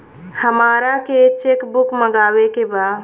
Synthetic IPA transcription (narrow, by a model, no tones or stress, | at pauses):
həmaːɾaket͡ʃekbukməɡaːwekebaːd̪